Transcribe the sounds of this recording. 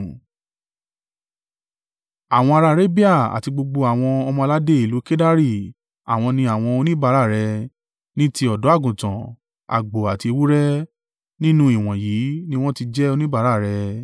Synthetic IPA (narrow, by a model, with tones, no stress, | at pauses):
a˨w̃ɔ̃˧a˧ɾa˧ɾe˦bi˦a˦˨a̰˨ti˧ɡ͡bo˧ɡ͡bo˧a˨w̃ɔ̃˧ɔ˧mɔ̃˧a˧la˦de˦e˦˨lu˨˦ke˦da˦ɾi˦˨ | a̰˨w̃ɔ̃˧nĩ˧a˨w̃ɔ̃˧o˧nĩ˦ba˧˦ɾa˦˨ɾɛ˧ | nĩ˦ti˧ɔ˨dɔ˨˦a˦˨ɡũ˨tã˨ | a̰˨ɡ͡bo˨a˨ti˧wu˦ɾɛ˦ | nĩ˦nũ˦i˦˨w̃ɔ̃˨jiː˨˦nĩ˦w̃ɔ̃˦ti˧d͡ʒɛ˦o˧nĩ˦ba˧˦ɾa˦˨ɾɛ˧